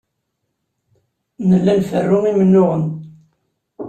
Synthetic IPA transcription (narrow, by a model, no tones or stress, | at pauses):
nəlːælfərːʊmimənːʊʁən